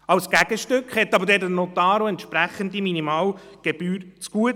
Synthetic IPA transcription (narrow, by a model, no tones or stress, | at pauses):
ɑwsɡ̥æɡ̥əʃtøkχhɛt̪ːɑbəɾdɛɾtənot̪ɑːɾoɛntʃpɾæχəndiminimɑːlɡ̥eb̥yːɾt͡sɡ̥uət